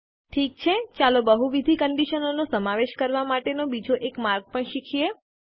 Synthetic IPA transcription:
ʈʰik̚t͡ʃʰet͡ʃalobəɦuʋid̪ʱikəɳɖiʃənonosəmaʋeʃkəɾʋamaʈenobid͡ʒoʔekmaɾɡ̚pəɳʃikʰie

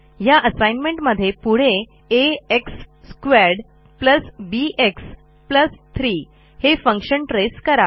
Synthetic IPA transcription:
jaʔəsajnmẽɳʈməd̪ʱːjepuɽ̤e | eeksːkʋæɾɽ | pləsbiʔeks | pləst̪ʰɾi | hefə̃ŋkɕəɳʈɾeskəɾa

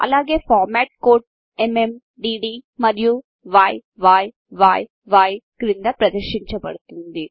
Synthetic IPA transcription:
ɐ̰lːaːɡeːfaːɾmaːʈ̚koːɖ | emem | ɖiɖimɐɾiju | ʋaːjʋaːj | ʋaːj | ʋaːjɡɾind̪ɐpɾɐd̪ɐɾʃiɲt͡ʃɐpɐ̰ɽt̪und̪i

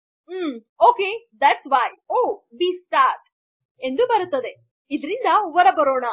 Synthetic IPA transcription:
oːked̪æʈsʋaːjoːbisʈaːɾʈ | end̪ubɐɾut̪ːɐd̪e | id̪ɾind̪ɐuʋɐɾɐbɐɾoːɳɐ

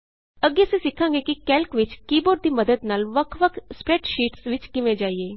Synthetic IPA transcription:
əɡesẽsɪkʰːãːŋɡeːkikɛːlkʋɪt͡ʃkiːboːɾd̪iːməd̪əd̪naːlʋəkʰʋəkʰspɾɛːʈʃiːʈsʋɪt͡ʃkɪʋẽd͡ʒaːieː

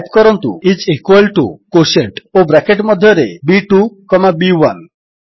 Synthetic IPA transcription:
p̚kɔɾɔnt̪ṵit͡ʃikwalʈṵkoseɳʈobɾakeʈmɔd̪ʱjɔɾebiʈukɔmabiwan

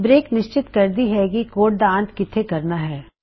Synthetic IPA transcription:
bɾeːknɪʃt͡ʃɪt̪kɐɾd̪iɦɛɡikoːʈ̚d̪ãːnt̪kɪt̪ʰekɐɾnaɦɛː

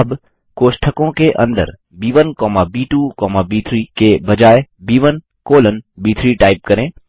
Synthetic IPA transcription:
əb | koːʃʈʰəkõkeʔɐ̰̃nd̪ə̰ɾ | biːʋənkɔːmabiːʈuːkɔːmabiːt̪ʰɾiːkebɐd͡ʒaːebiːʋən | koːlənbiːt̪ʰɾiːʈaːɪp̚kɐɾẽː

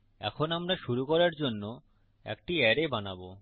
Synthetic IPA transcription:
ɛ̰kʰonamɾaʃuɾukɔɾaɾd͡ʑonːo | ɛ̰k̚ʈiɛɾebanabo

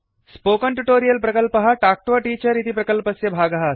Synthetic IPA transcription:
spokəɳʈuʈoɾijəlpɾəkəlpəɦaʈak̚ʈoʋaʈiːt͡ɕəɾit̪ʰipɾəkəlpəsjebʱaɡaɦa

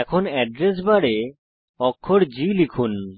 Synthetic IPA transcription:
ɛkʰonɛɖɾes̬baɽe | ɔkʰːoɾd͡ʑilikʰun

